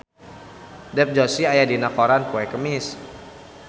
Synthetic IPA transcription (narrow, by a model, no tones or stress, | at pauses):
dɛp̚d͡ʒɔsiajadinakɔɾanpuɛkəmɪs